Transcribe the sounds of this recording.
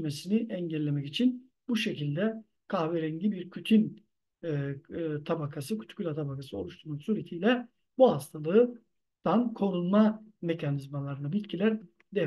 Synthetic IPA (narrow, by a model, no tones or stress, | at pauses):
mesiniʔɛɲɟɛlʲːe̞mɛcit͡ʃʰin | buʃecilʲd̪ɛ | kʰaːveɾɛɲɟibiɾcʰyt̪ʰynː | t̪ʰabakʰasɯkʰy̥t̪ʰy̥cylʲat̪ʰabakʰasɯo̞lˠuʃt̪ʰuɾmansuːɾet̪ʰijlʲɛ | buɦast̪ʰalˠɯː | d̪̥ankʰo̞nunmame̞cʰanizmalˠaɾɯnabit̪cʰilʲæɾ | d̪ɛ